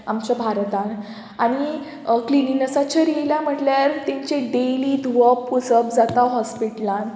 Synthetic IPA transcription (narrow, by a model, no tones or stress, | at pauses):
amt͡ɕjabʱaɾt̪ãn | aɽ̃i | klininəsat͡ɕaɾijljam̤əʈljaɾt̪ẽɲt͡ɕeɖeliːd̪ʱuʋəpːud͡zəpd͡zat̪aɦɔspiʈlãn